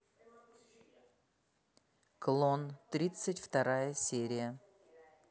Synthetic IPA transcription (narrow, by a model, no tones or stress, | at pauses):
klˠont̪ɾʲit̪sɨtʲft̪ɐɾajəsʲeɾʲɪjə